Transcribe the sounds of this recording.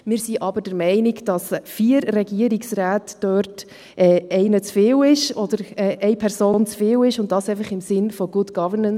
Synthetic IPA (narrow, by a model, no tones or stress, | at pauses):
mɪːɾsiʔɑbəɾd̥əɾmɛɪnɪɡd̥ɑsfiːɾːɛɡiəɾɪksɾaːtd̥øːɾt | ʔɛːɛɪnət͡sfɪːwɪʃɔd̥əɾɛːʔɛɪpʰɛɾsoːnt͡sfɪːwɪʃʊnt̚dɑsɛɪfəχɪmsɪnfɔɡʊdɡ̥ɑvənən